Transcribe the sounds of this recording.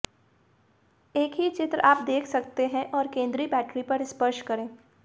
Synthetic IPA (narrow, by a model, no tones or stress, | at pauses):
eːkɦit͡ʃɪt̪ɾaːp̚d̪eːkʰsɐkt̪eɦɛ̃ʔɔːɾkẽːnd̪ɾiːbɛːʈɾipɐɾɪspəɾʃʈkɐɾẽː